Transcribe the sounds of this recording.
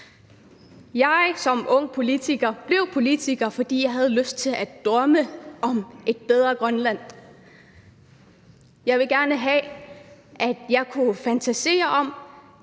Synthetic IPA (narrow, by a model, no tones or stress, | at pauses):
jɑ̈ɪsɒ̽mɔ̽ŋ̰pʰo̝lit͡sʰiɡ̥ɐb̥le̝ʊpʰo̝lit͡sʰiɡ̥ɐfɒ̽d̥ḭːjɑ̈ɪɦæð̞ˠəløsd̥̚t͡sʰe̝læd̥d̥ʁɶməɒ̽me̝d̥̚b̥eð̞ˠʁɐɡ̥ʁɶnlæn̰ | jɑ̈ɪʋe̝ɡ̥æɐnəɦɛ | ʔæd̥jɑ̈ɪkʰufænt͡sʰæse̝̰ːɐʔɒ̽m̰